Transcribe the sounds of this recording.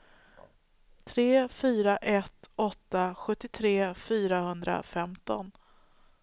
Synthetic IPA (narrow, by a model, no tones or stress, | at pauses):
t̪ʰɾeːfyːɾaʔɛt̪ɔt̪ːaɧɵt̪ːɪt̪ʰɾeːfyːɾahɵnd̪ɾa̰fɛmt̪ɔ̰n